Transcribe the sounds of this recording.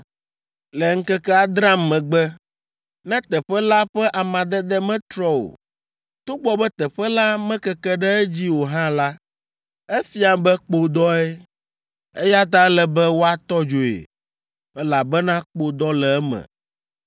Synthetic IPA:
lɛ˨ŋ̩˦kɛ˦kɛ˦a˨d̪ɾã˦mː˦ɛ̃˨ɡ͡bɛ˦ | nɛ̃˦t̪ɛ˨ɸɛ˦la˦ɸɛ˦ʔa˨mã˨d̪ɛ˦d̪ɛ˦mɛ̃˦t̪ɾɔ˦wo̰˨ | t̪o˦ɡ͡bɔ˦bɛ˦t̪ɛ˨ɸɛ˦la˦mɛ̃˦kɛ˦kɛ˦ɖɛ˦ɛ˦d͡ʑi˦wo˨ɦã˦la˦ | ɛ˦fi˦a˨bɛ˦k͡po˦d̪ɔ˦ɛ˦ | e˦ja˦t̪̬a˦lɛ˨bɛ˦wo˦a˦t̪ɔ˦d͡ʒo˨ḛ˨ | ɛ˦la˨bɛ˦nã˦k͡po˨d̪ɔ˦lɛ˨ɛ˦mɛ̰̃˨

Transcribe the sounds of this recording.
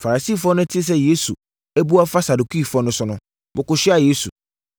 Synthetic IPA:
fa˨ɾa˨si˦˨fɔ˦nʊ̃˦tʰɪ˦s̬ɛ˦je˦su˨ | ɛ˦bu˦a˦fa˦sa˨du˨kʰi˦˨fɔ˦nʊ̃˦sʊ˦nʊ̃˦ | bʊ˨kʊ˨ɕᶣɪ˦a˨je˦su˨

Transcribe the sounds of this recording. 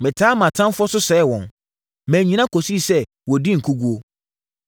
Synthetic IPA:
mɪ̃˨tʰaː˦mã˨tʰã˦m˦fʊ˦ɔ˦sʊ˦sɛ˨˦ɛ˦wɔ̰̃˨n | mɛ̃˨ɲĩ˨nã˦kʰo˨si˦˨sɛ˦ | wɔ˨di˦ŋ̩˨kʰu˦ɡu˦o˦

